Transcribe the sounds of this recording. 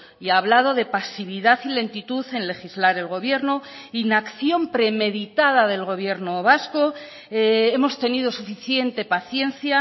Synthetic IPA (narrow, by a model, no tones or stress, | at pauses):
iaːβ̞lað̞o̞ðe̞pasiβiðaθile̞nt̪it̪uθe̞nle̞χizlaɾe̞lɣo̞β̞je̞ɾno | inakθjo̞mpɾe̞me̞ðit̪að̞aðe̞lɣ̞o̞β̞je̞ɾnoβ̞asko̞ | e̞mo̞st̪e̞nið̞o̞sufiθje̞nt̪e̞paθje̞n̟θja